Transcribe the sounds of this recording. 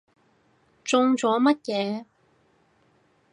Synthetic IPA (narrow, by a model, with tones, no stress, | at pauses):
t͡sʊ˧ŋt͡sɔː˨˧˥mɐ˥t̚jɛː˨˧